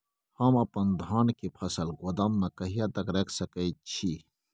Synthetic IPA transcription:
hɐmɐpɐnd̪ʱaːnkipʰɐsəlɡod̪amːẽkɐɦijat̪ɐkɾekʰsɐkəit͡ɕʰi

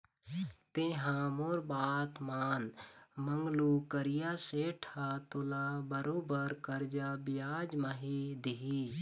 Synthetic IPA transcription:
t̪ẽɦãmoɾbaːt̪maːnməŋɡlukəɾijaseːʈʰat̪ʊlãbəɾoːbəɾkəɾd͡ʒabɪjaːd͡ʒmaɦid̪iɦi

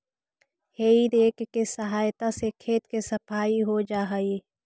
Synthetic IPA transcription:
heːiɾeːkːesɐɦaːjt̪asekʰeːt̪kesɐpʰaːiɦod͡ʒaːɦaiː

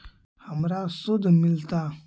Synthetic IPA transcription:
hamɾasodamilta

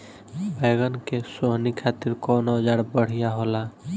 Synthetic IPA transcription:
beɡənkesoɦnikʰat̪iɾkonod͡ʒaɽbəɽ̤ijaɦola

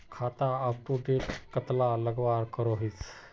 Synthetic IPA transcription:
kʰat̪aːppubet̪kət̪laləɡʋaɾkəɾoɦit͡s

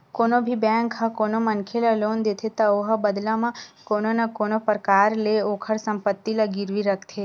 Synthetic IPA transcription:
koːnobʱibɛ̃ŋkɦakoːnomənkʰelaloːnd̪et̪ʰet̪aoɦəbəd̪lamãkononakonopəɾkaːɾleokʰəɽsəmpət̪ːilaɡiɾʋiɾəkʰt̪ʰe

